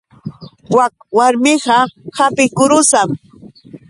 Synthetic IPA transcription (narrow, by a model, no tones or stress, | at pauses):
wak̚waɾmɪɢɑhapɪkʊɾʊsam